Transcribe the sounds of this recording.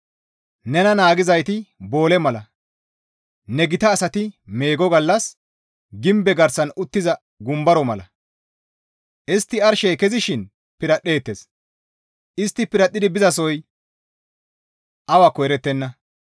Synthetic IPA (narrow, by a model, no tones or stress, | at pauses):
nɛnɐnaːɡɪzɐjt̪ɪbo̞ːlɛmɐlɐ | nɛɡɪt̪ɐːsɐt̪ɪme̞ːɡɔɡɐlːɐs | ɡɪmbɛɡɐɾsɐnʊt̪ːɪzɐ | ɡʊmbɐɾɔmɐlɐ | ʔɪst̪ːɪɐɾʃejkɛzɪʃɪn | pɪɾɐɗe̞ːt̪ːes | ʔɪst̪ːɪpɪɾɐt̪ʼːɪd̪ɪbɪzɐsɔj | ʔɐwakːɔjɾɛt̪ːɛnːɐ